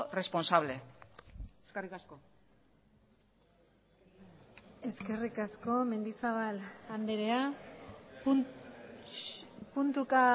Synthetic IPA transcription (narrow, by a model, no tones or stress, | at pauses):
re̞sponsaβle̞ | eskerikasko | e̞ske̞rikasko̞me̞nd̪isaβ̞aland̪eɾea | punt̪uka